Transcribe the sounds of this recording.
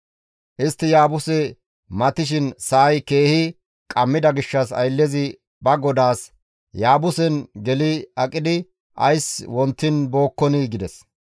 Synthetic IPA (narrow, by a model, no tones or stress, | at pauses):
ʔɪst̪ːɪjaːbʊsɛ | mɐt̪ɪʃ̬ɪnsɐʔɐjke̞ːhɪ | kʼɐmːɪd̪ɐɡɪʃːɐsɐ̰jlːɛzɪ | bɐɡɔd̪aːs | jaːbʊsɛnɡɛlɪɐkʼːɪd̪ɪ | ʔɐ̰jswɔnt̪ːɪnbo̞ːkːɔniɡɪd̪ɛs